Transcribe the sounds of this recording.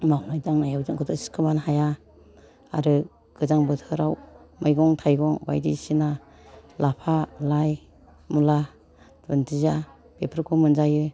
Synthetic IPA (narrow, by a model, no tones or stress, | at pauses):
mawnajdaŋnajawzɯŋkʰɯtʰɯsi̥kʰɯmanhaja | a̰ɾɯ | ɡ̥ɯzaŋbɯtʰɯɾawmʔajɡɔŋtʰajɡɔŋba̰jdḭsina | lapʰalaj | mula | dɯntʰiza | b̥epʰɯɾkʰɔmɯnzajɯ